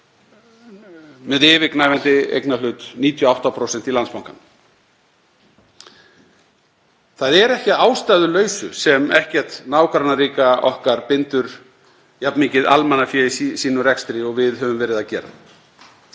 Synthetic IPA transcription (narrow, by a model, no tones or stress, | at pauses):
mɛðɪːvɪknaːjvɛnt̪ɪḛjknalʏːt̪niːt̪ʰjʏɔawht̪apʰɾowsɛn̥t̪ilant̪spawŋkan | θaðɛɾɛhcaaːwst̪aːjðʏlœːɥsʏ̰sɛmɛhcɛɾ̥t̪naːwkʰɾanaɾiːkaɔ̰hkaɾpɪnt̪ʏɾ | japniːcɪða̰lmɛnːafjɛissiːnʏɾɛkst̪ɾɪɔɣvɪðɦœːvʏmvɛːɾɪðacɛːɾa̰ð